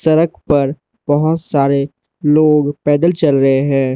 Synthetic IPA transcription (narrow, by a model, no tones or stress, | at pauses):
sɐɾək̚ʰpɐɾ | bɐɦʊt̪saːɾe | loːɡpɛːd̪əlt͡ʃɐlɾɐɦeɦɛ̃ː